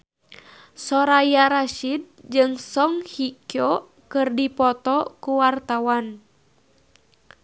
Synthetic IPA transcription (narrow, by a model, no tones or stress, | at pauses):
sɔɾajaɾaʃid̚d͡ʒɨŋsɔŋhikjɔ | kɨrdipɔt̪ɔkuwart̪awan